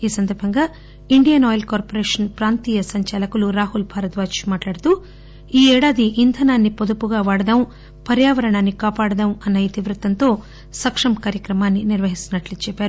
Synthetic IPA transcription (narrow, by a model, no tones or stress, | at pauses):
iːsɐnd̪ɐɾbʱɐŋɡaː | iɳɖijɐnɔːjɐlkaːɾpoɾeːʂɐnpɾaːnt̪iːjɐsɐɲt͡ʃɐalɐkuluɾaːɦulbʱaːɾɐt̪ʋaːt͡ʃmaːʈlaːɽut̪uː | iːɛːɽaːd̪iʔːnd̪ʰʱɐnaːnːipod̪upuɡaːʋaːɽɐd̪ɐm | pɐɾjaːʋɐɾɐɳaːnːikaːpaːɽɐd̪ɐmɐnːɐit̪iʋɾut̪ɐnt̪o̞ː | sɐkʂɐmkaːɾjɐkɾɐmaːnːiniɾʋɐɦisinɐʈlit͡ʃɛpːaːɾu